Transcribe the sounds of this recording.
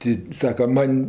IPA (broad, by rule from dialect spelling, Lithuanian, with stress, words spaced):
ˈtʲɪ ˈsɑːkɐ ˈmɐnʲ